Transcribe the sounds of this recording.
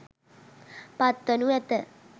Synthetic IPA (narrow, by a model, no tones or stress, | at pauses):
pat̪ːənuɛt̪ə